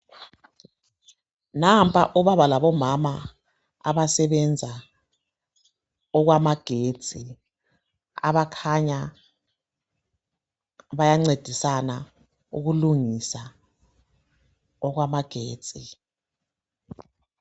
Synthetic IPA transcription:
nampʼa̰ʔuβaβalaβɔmama | a̰βasɛβɛnd͡zʱa | ɔɣwamaɡ̥ʱe̥ːd͡z̥ʱʼi | a̰βakʰaɲa | βajaŋ͡ǀed̥ʱisana | uɣuluŋisa | ɔɣwamaɡ̥ʱe̥ːt͡sʼi

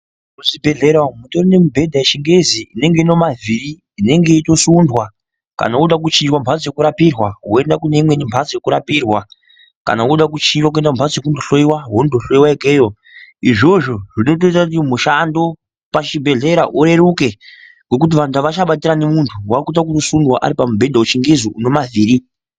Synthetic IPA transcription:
uʐibʱe̞ɮe̞ɾamuto̞rine̞mubʱe̞dʱaeʃiŋɡeziine̞ŋɡeino̞maviɾiː | ne̞ŋɡe̞ito̞sundwa | ka̰nauɗak̬ut͡ʃiɲd͡ʒwambʱad͡zje̞kuɾapirwaɦoe̞ndakune̞imwe̞nimbʰʱad͡zje̞kuɾapirwa | ka̰naoɗak̬ut͡ʃind͡ʒwak̬ue̞ndaumbʱat͡sje̞k̬undoɬoiwaɦondoɬo̞iwaekeːjo | iʐo̞ʐo̞ʐino̞t̬o̞itakut̬imuʃando̞ | pat͡ʃibʱe̞ɮe̞ɾaʔuɾe̞ɾuke̞ | ɡo̞kut̬iʋantʰaʋat͡ʃaɓatiɾanemuntʰuwakut̬ak̬uto̞sundwa̰ʔa̰ɾipamubʱe̞dʱaut͡ʃiŋɡizuuno̞mavʱiːɾi

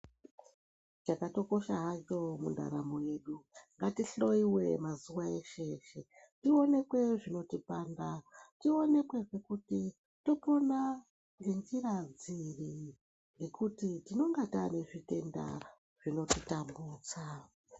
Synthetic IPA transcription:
t͡ʃakato̞ko̞ʃaɦat͡ʃo̞mṵnda̰ɾamoje̞ɗuŋɡatiɬo̞iwe̞mazuwae̞ʃe̞ʃe̞ | tio̞ne̞kwe̞ʐino̞tipaːndatio̞ne̞kwe̞ʐe̞kuti | to̞po̞na | ŋɡe̞nd͡ʒiɾad͡ziri | ŋɡe̞kutitino̞ŋɡatane̞ʐite̞nda̰ | ʐ̥ino̞titambuːt͡sa

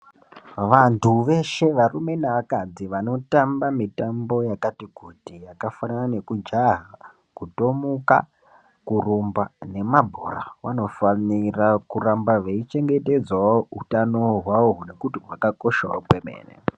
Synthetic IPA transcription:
ʋantʰuʋe̞ʃe̞ʋarume̞naʋakad͡ziʋano̞tambamitambo̞jakatikutijakafananane̞kud͡ʒaɦa | kuto̞muka̰ | kurumbane̞mabʱo̰ra̰wa̰no̞fanirakurambaʋeit͡ʃe̞ŋɡe̞te̞d͡zwautano̞ɦwaoɦune̞kutimwakako̞ʃa̰o̰kwemḛːnḛ

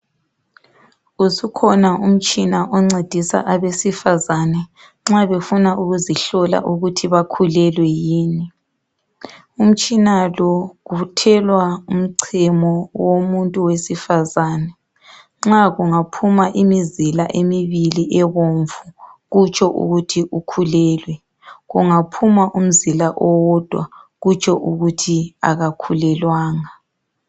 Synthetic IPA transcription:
usukʰɔnaum̩t͡ʃʼinaʔɔŋ͡ǀed̥ʱisa̰ʔaβesifazanɛ | ŋ͡ǁaβefunaʔuɣuziɬɔla̰ʔuɣutʰiβakʰulɛlwɛjiːni | um̩t͡ʃʼinalɔɣutʰɛlwaum̩ǀʰimɔwomuntʼuwesifazaːnɛ | ŋ͡ǁaɣuŋapʰumaʔimizilaʔemiβiliʔɛβoɱvuɣut͡ʃʰʼɔʔṵɣutʰiʔukʰulɛːlwɛ | ɣuŋapʰumaʔum̩zilaʔɔwɔd̥ʱwa̰ɣut͡ʃʰɔʔuɣutʰia̰ɣakʰulɛlwaːŋa

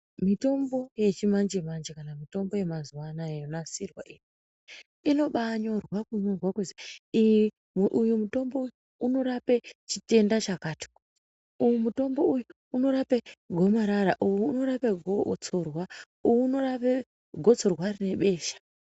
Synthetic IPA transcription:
mito̞mbo̞je̞t͡ʃimand͡ʒemand͡ʒekanamito̞mbo̞je̞mazuwanajenonasirwaʔiːni | ino̞ɓaɲo̞rwakuɲorwakuziiji | ʔujumuto̞mbo̞uju | uno̞ɾapet͡ʃite̞ndat͡ʃakaːti̥ | ujumuto̞mbo̞ujuː | no̞ɾapeɡʱo̞maɾaɾaʔujuno̞ɾapeɡʱot͡so̞rwa | ujːno̞ɾape | ɡʱo̞t͡so̞rwaɾine̞ɓe̞ːʃḁ

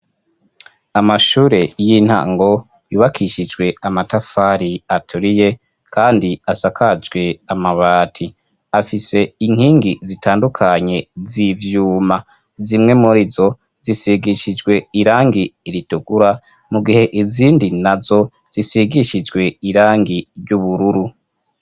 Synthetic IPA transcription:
amaʃuːɾejin̥ha̰ːŋɡo̞ | juːβakʰiʃid͡ʒɡwe̞amatafaɾiatʰuɾije̞ | kʰaːndiasakʰad͡ʒɡwe̞amaβaːtʰi | afise̞iŋ̥hiːŋɡizitʰaːndukʰaɲe̞zivjuːma | zimŋe̞muɾizo̞ | z̥isiɡiʃid͡ʒɡwe̞iɾaːŋɡiːɾituɡ̥uɾa | muɡihe̞ʔiziːndinazo̞ | z̥isiɡiʃid͡ʒɡwe̞iɾaːŋɡiɾɟuβuɾuɾu

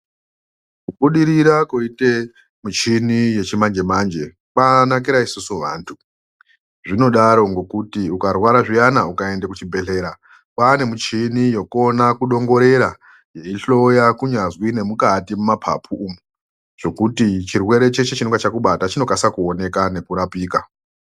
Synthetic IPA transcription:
kuɓuɗiɾiɾakoite | mut͡ʃinije̞t͡ʃimand͡ʒe̞mand͡ʒe̞ | kanak̬iɾaisusuʋa̰ːntʰu | ʐino̞ɗaɾo̞ŋɡo̞kutiukarwaɾaʐijanaukae̞ndekut͡ʃibʱe̞ɬe̞ːɾa | pane̞mut͡ʃinijo̞ko̞nakuɗo̞ŋɡo̞ɾe̞ɾa | je̞iɬo̞jakuɲazwine̞mukatimumapʰa̰pʰuʔumu | ʐo̞kutit͡ʃirwe̞ɾe̞t͡ʃe̞t͡ʃe̞t͡ʃinoŋɡat͡ʃakuɓatat͡ʃino̞kasakuo̞ne̞kane̞kuɾapiːka

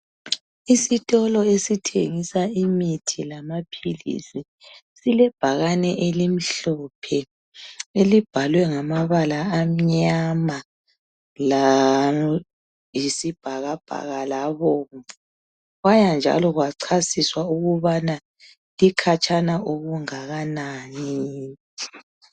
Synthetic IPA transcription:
isitʼɔlɔesitʰḛŋisaimitʰilamapʰilḭsi | silɛb̥ʱaɣanɛʔelim̩ɬɔpʰɛ | elib̥ʱalwɛŋamaβalaːm̩ɲama | la | jisib̥ʱaɣab̥ʱa̰ɣalaβɔːŋɛ | ɣwajand͡ʒʱa̰lɔɣwaǀʰasiswauɣuβana | likʰat͡ʃʰʼanaʔoɣuŋaɣanaːni

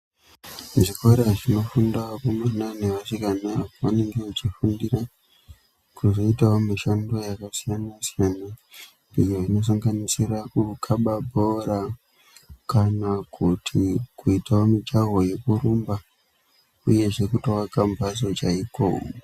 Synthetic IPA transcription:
ʐikoɾaʐino̞fundawokumananeʋasikanaʋane̞ŋɡe̞kut͡ʃifundira | kuzo̞itawomiʃando̞jakasijanasijana | ijoino̞s̬aŋɡanisirakukʰaɓabʱoɾa | kanakʰutʰikuitaomid͡ʒaɦoje̞kurumba | uje̞ʐe̞kutowakamvazo̞t͡ʃaiko̰ːo

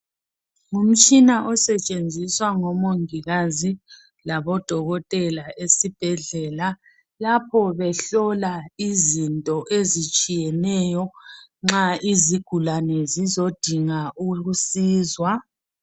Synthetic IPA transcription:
ŋum̩t͡ʃʼinaʔɔsɛt͡ʃʼend͡zʱiswaŋɔmoŋiɣazi | laβɔd̥ʱɔɣɔtʼɛlaʔesib̥ʱɛɮɛla | lapʰɔβɛɬɔlaizintʼɔʔezit͡ʃʼijɛnɛjɔŋ͡ǁaiziɡ̥ʱulanɛzizod̥ʱiŋauɣusiːzwa

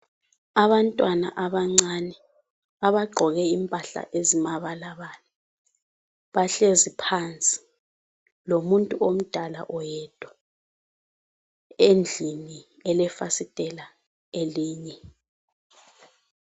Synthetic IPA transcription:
aβantʼwana̰ʔaβaŋ͡ǀanɛ | aβaɡ͡ǃʱɔɣɛimpʼaɬa̰ʔezimaβalaβaːlɛ | βaɬezipʰant͡sʼi̥ | lomuntʼuom̩d̥ʱala̰ʔɔjɛd̥ʱʼɔ | end͡ɮʱini | ɛlɛfasitʼɛla | eliːɲɛ

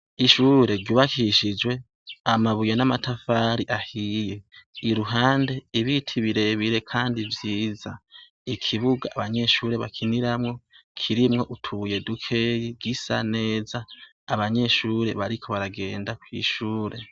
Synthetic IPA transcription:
iʃuːɾe̞ɾɟuːβakiʃid͡ʒwe̞ | amaβujenamatafaɾiʔahije̞iɾuɦaːnde̞iβitʰiβiɾe̞βiɾe̞kʰaːndivjiːza | ikʰiβuɡaːβaɲe̞ʃuːɾe̞βa̰kʰiniɾamŋo̞kʰiɾimŋo̞ʔutʰuβuje̞dukʰe̞jiɡisa̰ne̞ːzaː | βaɲe̞ʃuːɾe̞βaɾikʰo̞βaɾaɡe̞ːndakwḭːʃuːɾe̞

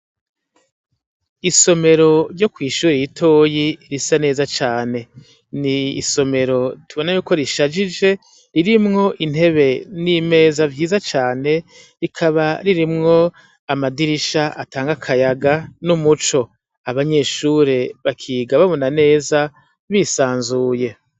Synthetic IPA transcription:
iso̞me̞ɾo̞ɾɟo̞kwiːʃuːɾejitʰo̞ːjiɾisane̞ːzat͡ʃaːne̞ | niːso̞me̞ɾo̞tuβo̞najuːko̞ɾiʃad͡ʒid͡ʒe̞ | ɾiɾimŋo̞ʔinhe̞βe̞nime̞ːzavjiːzat͡ʃaːne̞ | ɾikʰaβaɾiɾimŋo̞ | amadiɾiʃaʔataːŋɡakʰajaɡanumut͡ʃo̞ | aβaɲe̞ːʃuːɾe̞βakʰiːɡaβaβonane̞ːza | βiːsaːnzuːje̞

